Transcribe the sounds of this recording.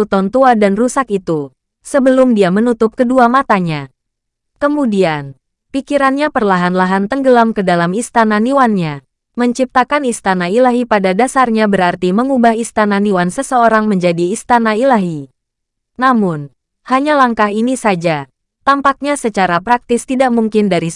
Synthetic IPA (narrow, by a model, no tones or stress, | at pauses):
ut̪ɔnt̪uadanrusakit̪u | səbəlʊmdiamənut̪ʊp̚kəduamat̪aɲa | kəmudian | pikiɾanɲapərlaɦanlaɦant̪əŋɡəlamkədalamist̪ananiwanɲa | məɲt͡ʃip̚t̪akanist̪anailaɦipadadasarɲabəɾart̪iməŋubaɦist̪ananiwansəsəoɾaŋməɲd͡ʒadiːst̪anailaɦi | namʊn | haɲalaŋkaɦinisad͡ʒa | t̪ampak̚ɲasət͡ʃaɾapɾak̚t̪ɪst̪idaʔmuŋkɪndaɾi